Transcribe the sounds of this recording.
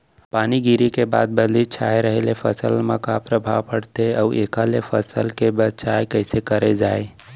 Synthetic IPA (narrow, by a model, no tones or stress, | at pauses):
paːniɡiɾikeba̰ːd̪̚bəd̪lit͡ʃʰa̰ːeɾəɦelepʰəsəlmakapɾəbʱa̰ʋpəɽt̪eəʋʔeːkalefʰəsəlkebət͡ʃaːekəɪsekəɾed͡ʒaːe